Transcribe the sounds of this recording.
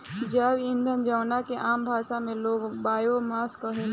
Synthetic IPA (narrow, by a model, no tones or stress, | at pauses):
d͡ʒaːʋɪ̃nd̪ʱənd͡ʒaːnakeʔaːmbʱaːʃamẽloːɡbaːjomaːskəɦe